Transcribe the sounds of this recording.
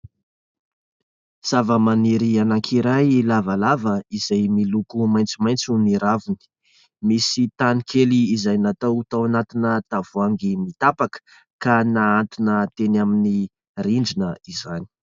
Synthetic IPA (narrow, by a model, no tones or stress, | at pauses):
z̥avəmaniɾianaŋkʰiɾajlavalavəizajmilukumajnt͡simajnt͡suniɾavuni̥ | misit̪anikʰeliːzajnat̪awt̪awanat̪inət̪av̥uaŋɡimit̪apakə̥ | kanaant̪unət̪enamini | riɳd͡ʒinəizani̥